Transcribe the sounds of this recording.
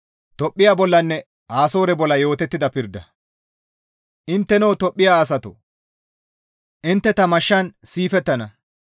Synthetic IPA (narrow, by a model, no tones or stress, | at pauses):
t̪ɔpʼːɪjaːbɔlːɐnːɛ | ʔaːso̞ːɾɛbɔlːɐjo̞ːt̪ɛt̪ːɪd̪ɐpɪɾd̪ːɐ | ʔɪnt̪ːɛnɔwt̪ɔpʼːɪjaːs̬ɐt̪ɔ | ʔɪnt̪ːɛt̪ɐmɐʃːɐnsiːfɛt̪ːɐnɐ